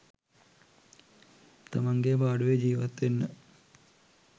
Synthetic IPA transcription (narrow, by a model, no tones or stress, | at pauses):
t̪ɐmɐŋɡebaːɽuʋed͡ʑiːʋɐt̪ːenːɨ